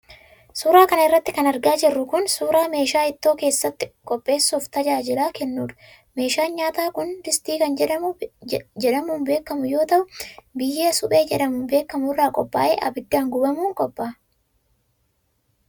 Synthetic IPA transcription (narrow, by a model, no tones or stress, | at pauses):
suːɾaːkɐnɐɪrːɐt̪ːɪkɐnɐɾɡaːd͡ʒɪrːʊkʊnsuːɾaːme̞ːʃaːɪt̪ːo̞ːke̞ːsːɐt̪ːɪ̥kʼɔpʼːe̞ːsːuːft̪ɐd͡ʒaːd͡ʒɪlaːkɛnːuːᶑɐ̥ | me̞ːʃaːɲaːt̪aːkʊnd̪ɪst̪iːkɐnd͡ʒɛᶑɐm | d͡ʒɛᶑɐmuːnbe̞ːkːɐmʊjo̞ːt̪ɐʔʊbɪjːe̞ːsʊpʼe̞ːd͡ʒɛᶑɐmʊnbe̞ːkːɐmʊrːaːkʼɔpʼːaːʔḛːʔɐbɪd̪ːaːŋɡʊbɐmuːŋkʼɔpʼːaː